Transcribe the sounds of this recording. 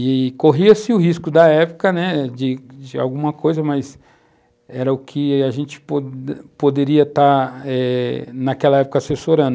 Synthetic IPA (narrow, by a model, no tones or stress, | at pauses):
ɪkoɦiɐsɪʊɦiskʊd̪ɐɛpʊ̥kɐnɛd͡ʒɪd͡ʒɪa̰wɡũmɐkojzɐmɐz | ɛɾɐʊkʰɪaʒẽt͡ʃɪ̥popod̪eɾiɐt̪aɾɛnakɛlɐɛpʊ̥kɐasesoɾɐ̃nd̪